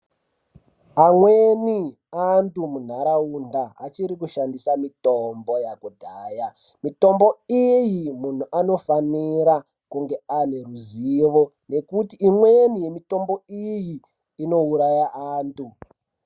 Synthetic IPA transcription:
amweni | antumun̤aɾaundaːt͡ʃiɾikuʃandisamitombo̞jakudʱaːja | mito̞mbo̞ijimun̤uʔano̞faniɾa | kuŋɡe̞ane̞ruziʋo̞ | ne̞kutiimwenije̞mito̞mbo̞ijiː | no̞uɾajaʔaːntu

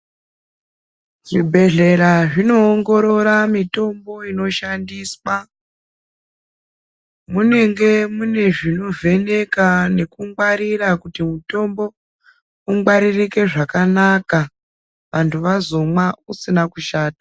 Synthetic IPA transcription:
ʐibʱe̞ɮe̞ɾaʐino̞ːŋɡo̞ɾo̞ɾamito̞mbo̞ino̞ʃandiːswa | mune̞ŋɡe̞mune̞ʐino̞vʱe̞ne̞kane̞kuŋwaɾirakutimuto̞mbo̞ | uŋwaɾirike̞ʐakanaka | ʋantʰuʋazo̞mwausinakuʃaːtḁ

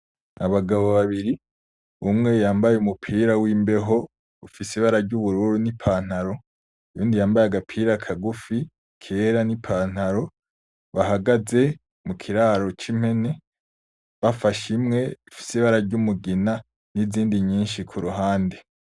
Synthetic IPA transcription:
aβaɡaβo̞βaβiɾi | umŋe̞jaːmbajeumupʰiːɾawiːmbe̞ɦo̞ | ufisiβaɾaɾɟuβuɾuːɾunipʰaːn̥haɾo̞ | ujuːndijaːmbajaɡapʰiːɾakʰaɡufi | kʰe̞ːɾanipʰaːn̥aɾo̞ | βaɦaɡaze̞ | mukʰiɾaɾo̞t͡ʃim̥he̞ne̞ | βafaʃimŋe̞ifi̥siβaɾaɾɟumuɡina | niziːndiɲiːnʃikʰuɾuɦaːnde

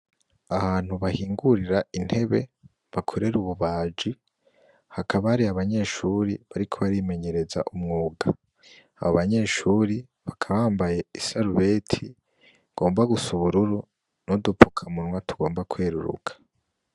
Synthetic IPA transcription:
ahaːn̥huβahiːŋɡuɾiɾain̥he̞βe̞ | βakʰoɾe̞ɾuβuβaːd͡ʒi | hakʰaβaaɾiaβaɲe̞ʃuɾiβaɾikʰo̞βaɾime̞ɲe̞ɾe̞za̰ʔumŋuːɡaː | βoβaɲe̞ːʃuɾi | βakʰaβaːmbaje̞isaɾuβe̞tʰi | ɡ̥o̞ːmbaɡusuβuɾuɾu | nodupu̥kʰamunŋwatuɡo̞ːmbakweːɾuɾṵkʰḁ

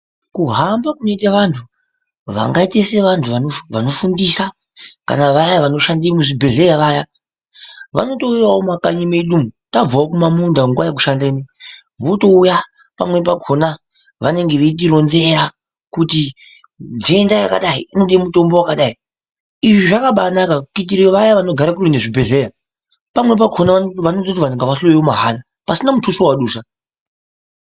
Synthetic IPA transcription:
kuɦambakuno̞itaʋantʰu | ʋa̰ŋɡaiteseʋantʰuʋanoʋano̞fundisa | ka̰naʋajaʋano̞ʃandimuʐibʱe̞ɮe̞jaʋaja | ʋa̰no̞to̞ujawomakaɲimeɗumutab͡vaokumamundaŋɡwajakuʃandeːni | ʋoto̞uja | pamwe̞p̬aɡʱo̞na | ʋane̞ŋɡeʋeit̬iɾo̞nze̞ɾa | kuti | nd͡ʒeendajaka̰ɗaiinoɗimuto̞mbo̞wakaɗai | iʐiʐakaɓanakakit̬iɾeʋajaʋano̞ɡʱaɾakurineʐibʱe̞ɮe̞ja | pamwe̞p̬aɡʰʱonaʋanotot̬iʋaneŋɡaʋaɬojiwomaɦala | pasinamutʰusowaɗuːsa

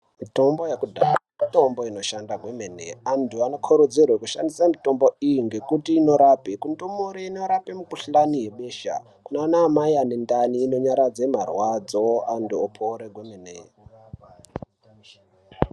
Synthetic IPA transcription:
mito̞mbo̞jekudʱa | ito̞mbo̞ino̞ʃandaɡʱwe̞menḛantʰuano̞kʰoɾud͡zirwekuʃa̰ndisamito̞mbo̞ijiŋɡe̞kutiːno̞ɾapekundomoɾeino̞ɾapemukuɬaniɦe̞ɓe̞ːʃa̰ | kunanaːmaiane̞ndaniːno̞ɲaɾad͡zemarwad͡zoa̰ntuopʰoɾeɡʱwemenḛ

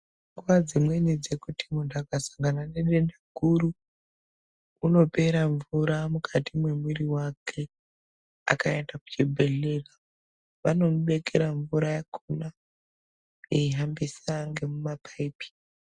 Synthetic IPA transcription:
ŋɡuʋad͡zimwenid͡ze̞kutʰi̥mundʱakasaŋɡananeɗendaɡʱuɾu | no̞pe̞ɾaɱvuɾamukʰatimwe̞mwiriwakʰe̞ | a̰kae̞ndaku̥t͡ʃibʱe̞ɮera | ʋano̞muɓe̞ke̞ɾaɱvuɾajakʰuna | eiɦambisaŋɡe̞mumapʰaipi̥

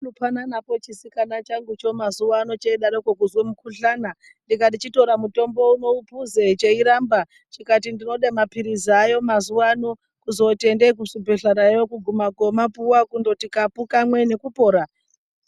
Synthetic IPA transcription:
lupananapo̞t͡ʃisikanat͡ʃaŋɡut͡ʃo̞mazuwano̞t͡ʃeiɗaɾokwokuzwemukuɬaːna | ndikadit͡ʃito̞ɾamuto̞mbo̞uno̞upuzet͡ʃeiɾamba | t͡ʃikatindino̞ɗemapiɾizajo̞mazuwano̞ | kuzo̞te̞ndekusubʱeɬaɾajokuɡʱumaɡʱo̞mapuwakundo̞tikapukamwe̞ne̞kupo̞ːɾa

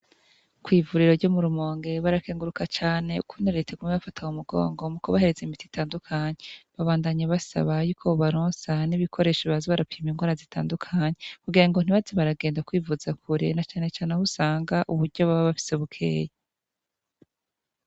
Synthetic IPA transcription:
kwiːvuɾiɾo̞ɾɟo̞muɾumo̞ːŋɡe̞βaɾakeːŋɡuɾukat͡ʃaːne̞ukʰunaɾetʰeɡumeβafatʰaŋumuɡo̞̰ːŋɡo̞mukoβahe̞ɾezeimiti̥tʰaːndukʰaɲeβaβaːndaɲaβasa̰βajukʰoβaɾoːnsaniβikʰo̞ɾe̞ːʃiβaziβaɾapimiŋɡwaːɾazitʰa̰ːndukʰaːɲekuɡiɾaŋɡon̥iβazeβaɾaɡeːndakwiːvuzakʰuɾḛnat͡ʃaːne̞t͡ʃaːne̞husaːŋɡaʔuβuɾɟo̞βaβaβafi̥seβukʰḛːja

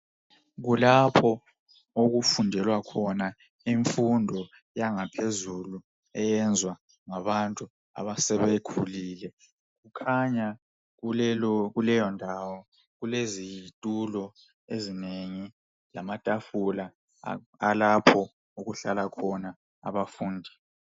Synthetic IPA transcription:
ɣulapʰɔ | oɣufundʱɛlwakʰɔna | iɱfundʱɔ | jaŋapʰezulu | ɛjɛnd͡zʱwa | ŋaβantʼu | a̰βasɛβekʰuliːlɛ | ɣukʰaɲa | ɣɣulɛjɔndʱawɔ | ɣulezijitʼulɔ | ezineŋi | lamatʼafula | alapʰɔ | uɣuɬalakʰɔna | a̰βafuːndʱi

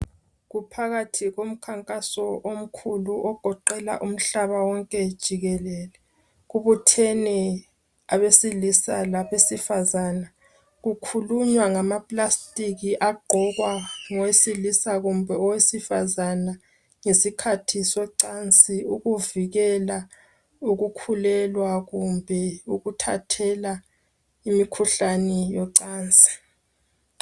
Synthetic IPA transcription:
ɣupʰaɣatʰiɣom̩kʰaŋkʼasɔʔom̩kʰuluʔɔɡ̥ʱɔǃɛla̰ʔum̩ɬaβawɔŋkʼɛd̥ʒ̥ʱiɣɛlɛlɛ | ɣuβutʰeni | aβesilisalaβesifazaːna | ɣukʰuluɲwaŋamapʼlastʼiɣiʔaɡ͡ǃʱɔɣwaŋɔwesilisaɣumbʱɛɔwesifazana | ŋesikʰatʰisɛǀant͡sʼiuɣuviɣɛla | uɣukʰulɛlwaɣumbʱɛuɣutʰatʰɛla | imikʰuɬanɛjɔǀaːnt͡sʼi̥

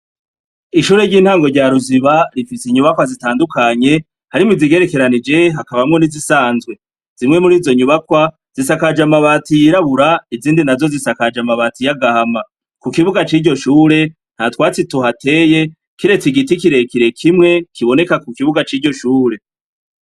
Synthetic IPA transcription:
iʃuːɾe̞ɾɟiːn̥haːŋɡo̞ɾɟaɾuziβaɾifisiɲuβakwazitaːndukʰaɲe̞ | haɾimiziɡe̞ɾe̞ke̞ɾanid͡ʒe̞ɦakaβamŋo̞nizisaːnzɡwe̞ | z̥imŋe̞muɾiːzo̞ɲuβakwa | z̥isakad͡ʒamaβaːtijiɾaβuɾaiziːndinazo̞zisakad͡ʒamaβatijaɡahama | kukiβuɡat͡ʃiːɾɟo̞ʃuːɾe̞ | n̥hatwaːt͡situɦate̞ːje̞ | kiɾe̞t͡siɡitikiɾe̞kiɾe̞kʰimŋe̞kiβo̞ne̞kakukiβuɡat͡ʃiːɾɟo̞ʃuːɾe̞

